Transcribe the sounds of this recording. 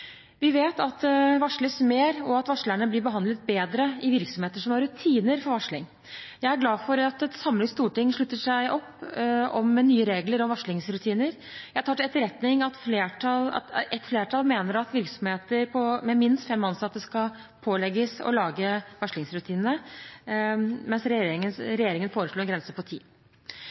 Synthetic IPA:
ʋɪʋeːt̪ɑt̪ʋɑʂɭəsmeːɾɔɑt̪ʋɑʂɭæɳəblɪɾbəɦɑnd̪lət̪̚beːd̪ɾəɪʋɪɾksɔmheːt̪əʂɔmɑɾʉt̪ʰiːnəɾfɔɾʋɑʂɭɪŋ | jæɪæɾɡlɑːfɔɾɑt̪ɛsɑmlɪŋst̪uːʈɪŋːʂɭʉt̪ːəʂæɪʔɔpːɔ̰mnyːəɾeːɡləɾɔmʋɑʂɭɪŋsɾʉt̪ʰiːnəɾ | jæht̪ʰɑːʈ̪ɛt̪ːəɾɛt̪nɪŋɑt̪fleːʈʰɑlɑ̰ɛt̪fleːʈʰɑːlmeːnəɾɑt̪ʋɪɾksɔmheːt̪əɾpʰɔmɛmɪnst̪fɛmːɑnsɑt̪ːəskɑ | pʰoːlɛɡəsɔ̰lɑːɡəʋɑʂlɪŋsɾʉt̪ʰiːnnə | mɛnsɾɛəɾɛjeːɾɪŋənfoːɾəʂɭoːɛnɡɾɛnsəpɔt̪ʰḭː

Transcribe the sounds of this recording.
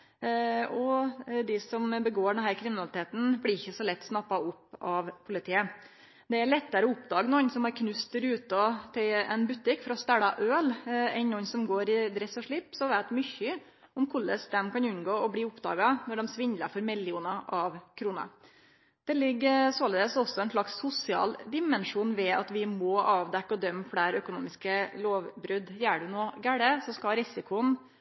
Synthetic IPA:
ɔd̪ɪsɔmbəɡoːɖɛnɦæːɾkʰɾɪmɪnɑlɪt̪ʰeːt̪n̩blɪɾɪçːəsɔlɛt̪ːsnɑpːɑʊpːɑʋpʰʊlɪt̪ʰiːə | d̪ɛæɾɭɛt̪ːəɾəɔʊpd̪ɑːɡənɔnsɔmɑɾkʰnʉst̪̚d̪æɾʉːt̪ət̪ʰɪlɛ̰nbʉt̪ːɪkfɾɑɔst̪æɽɑʔøːlɛɪnnɔnːsɔmɡoːɾɪd̪ɾɛsɔʂɭɪpːsɔʋæːt̪mʏçːə | ɔmkʰʊlːə̰sd̪ɛmkɑnʉnɡoːɔbliːʊpd̪ɑ̰ːɡɑnɔɖɛmsʋɪɲd̪lə̰fɔɾmɪlɪuːnɑʔɑʋkʰɾuːnə̰ | d̪̥ɛlɪɡːəsoːləd̪ɛsɔsːɔɛnʂɭɑksːʊsɪɑ̰ːld̪ɪmɛnʂuːnʋɛɑ̰t̪ʋɪmɔɑːʋd̪ɛkːɔd̪œmːfɽæːɾœkʊnuːmɪskəloːʋbɾʉd̪jæːɖʉnoːɡæɽəsɔskɑlɾɪsɪkʊn

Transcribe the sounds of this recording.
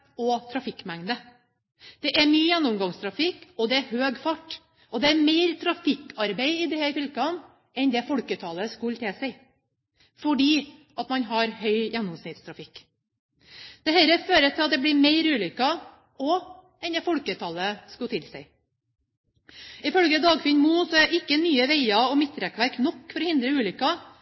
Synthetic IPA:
ɔt̪ʰɾɑfɪkːmæŋd̪ə | d̪̥ɛʔæɾmyːjænːʊmɡɑŋst̪ʰɾɑfɪkːɔd̪ɛæɦøːɡfɑʈː | ɔd̪ɛæɾmeɪɾt̪ʰɾɑfɪkːʰɑɾbeɪɪd̪ɛhæɾfʏlkɑn | ɛnd̪ɛfɔlkət̪ʰɑlːəskʉlt̪ʰɪsɛɪ | fɔɖiː | ɑt̪mɑnɦɑɾhœʏjænːʊmsnɪt̪st̪ʰɾɑfɪkː | d̪̥ɛhɛɾəføːɾət̪ʰɪlɑt̪̚d̪ɛbliːmeɪɾʉːlʏkːɑ | ɔ | ɛnd̪ɛːfɔlkət̪ʰɑlːəskʉt̪ʰɪlsɛɪ | ɪfœlɡəd̪ɑːɡfɪnmuːsɔæɾʔɪkːənyːəʋeɪɑɔmɪt̪ːɾɛkʋæɾknɔkːfɔɾɔhɪnd̪ɾəʉːlʏkːɑ

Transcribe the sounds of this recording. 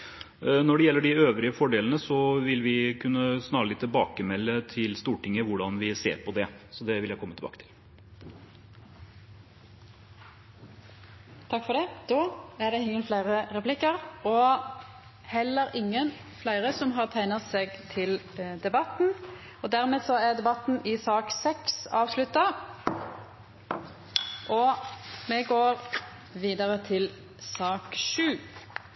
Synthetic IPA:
nɔɖɛjɛlːəɖɪøːʋɾɪəfɔɖeːlənəsɔʋɪlʋɪkʰʉnːəsnɑːɾəlɪt̪ʰːɪlbɑːkəmɛlːət̪ʰɪlst̪uːʈɪŋːəʋʊɖɑnʋɪsḛːɾpʰɔd̪ɛsɔd̪ɛʋɪljæɪkʰɔmːət̪ʰɪbɑ̰ːkə̥t̪ʰɪl | t̪ʰɑkfɔʁd̪ɛd̪̥oːæʁɖɛhɪŋəlflæɪʁəʁɛpʰlɪkəʁɔ | hɛlːəɾɪŋːən | flæɪʁəsɔmɦɑːʁt̪ʰæɪnɑseːɡt̪ʰɪld̪ɛbɑt̪n̩ | ɔd̪æʁmeːdsɔæʁd̪ɛbɑt̪n̩ɪsɑːksɛksɑːʋslʉt̪ːɑ | ʔɔmɛɡoːʁ | ʋiːd̪əʁət̪ʰɪl | sɑːkʃʉː

